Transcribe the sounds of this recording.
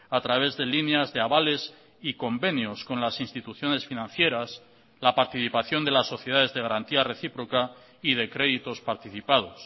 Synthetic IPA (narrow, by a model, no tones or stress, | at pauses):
at̪ɾaβ̞e̞zðe̞lineazðe̞aβale̞s | iko̞mbe̞njo̞sko̞nlasinst̪it̪uθjo̞ne̞sfinãnθje̞ɾas | lapaɾt̪iθipaθjo̞nd̪elasːo̞θjeð̞aðe̞zðe̞ɣaɾant̪iare̞θipɾo̞ka | ið̞e̞kɾe̞ðit̪o̞spaɾt̪iθipað̞o̞s